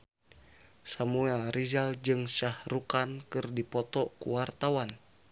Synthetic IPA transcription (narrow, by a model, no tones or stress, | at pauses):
samuɛlɾizald͡ʒɨŋʃahrukankɨrdipɔt̪ɔkṵwart̪awan